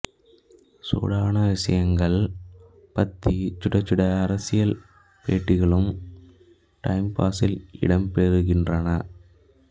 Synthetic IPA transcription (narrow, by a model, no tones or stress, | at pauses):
so̰ːɽaːnɐʋɪʂɐ̰jɐŋɡɐɭ | pɐt̪ːit͡ʃːʊɽɐt͡ʃːɯɽɐɐɾɐsɪjɐl | peːʈːɪɣɐɭɯm | ʈɐɪmpaːsɪlɪ̰ɽɐmpeːɾɯɣɪndrɐnɐ